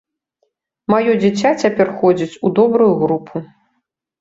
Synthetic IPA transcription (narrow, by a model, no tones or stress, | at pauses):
majɔd͡zʲit͡sʲat͡sʲapʲɛrxɔd͡zʲit͡sʲud̪ɔbɾujuɣɾupʰu